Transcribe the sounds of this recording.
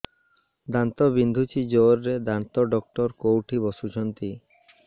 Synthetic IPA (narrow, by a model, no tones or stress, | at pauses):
d̪ant̪obind̪ʱut͡ɕid͡ʑoɾːed̪ant̪oɖɔk̚ʈɔɾkowʈʰibɔʃud͡ʑʰɔnt̪i